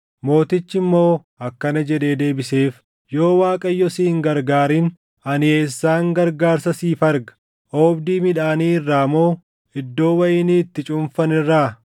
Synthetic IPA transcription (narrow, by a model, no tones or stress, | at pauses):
mo̞ːt̪ɪt͡ʃːɪmːo̞ː | ɐkːɐnɐd͡ʒɛd̪e̞ːd̪e̞ːbɪseːf | jo̞ːwaːkʼɐjːɔsiːŋɡɐɾɡaːɾiːn | ɐnɪeːsːaːŋɡɐɾɡaːɾsɐsiːfɐɾɡɐ̥ | ʔoːbd̪iːmɪᶑaːniːɪrːaːmo̞ː | ɪd̪ːo̞ːwɐjɪniːt̪ːɪt͡ʃʼʊmfɐnɪrːaː